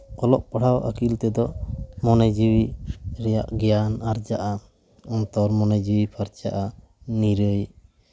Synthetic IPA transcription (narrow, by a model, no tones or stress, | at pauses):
ɔlɔʔpaɽ̤awʔa̰kilt̪ɛd̪ɔmɔnɛd͡ʒiwiɾɛja̰ʔɡɛjanaɾd͡ʒaʔa | ɔnt̪ɔɾmɔnɛd͡ʒiwipʰaɾt͡ʃaʔa | niɾəj